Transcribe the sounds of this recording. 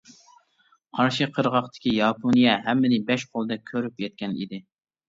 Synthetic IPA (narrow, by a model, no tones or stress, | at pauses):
qʰɑɾʃɨqʰəɾʁɑχt̪ʰɪ̥kʲijɑpʰonijɛɦɛmːɪnɪbɛʃqʰolˠd̪ɛkʲʰøɾypjɛt̪̚kʲɛnḭd̪ɪ